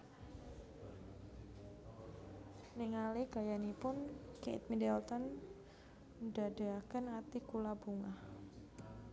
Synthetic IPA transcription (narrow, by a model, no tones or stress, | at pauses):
niŋaliɡ̥ajanipʊnkḛt̪̚midɛlt̪ɔn | dadaakənat̪ikulabuŋah